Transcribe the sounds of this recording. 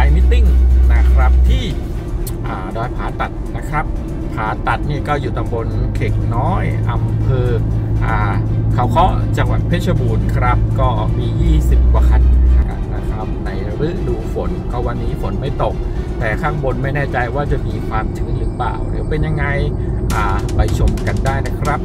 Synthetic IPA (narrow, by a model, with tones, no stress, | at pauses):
aː˨˦jmi˦˥t̪ːi˥˩ŋna˦˥˩kʰɾa˦˥p̚t̪ʰiː˥˩ | ʔaː˨˩dɔː˧jpʰaː˩˦t̪a˨˩t̪̚na˦˥kʰɾa˦˥p̚ | pʰaː˩˦t̪a˨˩t̪̚niː˥˩kɔː˥˩juː˨˩t̪a˧mbo˧nkʰeː˨˩k̚nɔː˦˥jʔa˧mpʰɤː˧ʔaː˨˩kʰa˧˦˩wkʰɔ˦˥t͡ɕa˧ŋwa˨˩t̪̚pʰeː˥˩t̪̚t͡ɕʰa˧buː˨˩nkʰɾa˦˥p̚kɔː˥˩miː˧jiː˥˩si˨˩p̚kwaː˧˩kʰa˧nʰ˧na˦˥kʰɾa˦˥p̚na˧jɾɯ˦˥duː˧˩fo˩˦nkɔː˥˩wa˧nːiː˦˥fo˩˦nma˥˩jt̪o˨˩k̚t̪ɛː˨˩kʰaː˥˩ŋbo˧nma˥˩jnɛː˥˩t͡ɕa˧jwaː˥˩t͡ɕa˨˩ʔmiː˧kʰwaː˧mt̪ʰɯː˨˩˦nɾɯː˨˦pa̰ː˨˩wɾɯ̰˩˦wpe˧nja˧ŋːa˧jʔaː˨˩pa˧jt͡ɕʰo˨˩mka˧ndaː˥˩jna˦˥kʰɾa˦˥p̚